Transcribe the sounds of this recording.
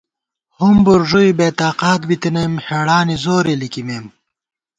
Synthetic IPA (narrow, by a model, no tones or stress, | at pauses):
humbuɾʐuibeːt̪aːqaːt̪bit̪inɐmheːɽaːnizoːɾelikimeːm